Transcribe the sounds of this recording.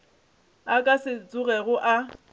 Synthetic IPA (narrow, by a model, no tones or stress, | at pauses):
akʼasɪt͡sʼʊɣɛɣʊʔa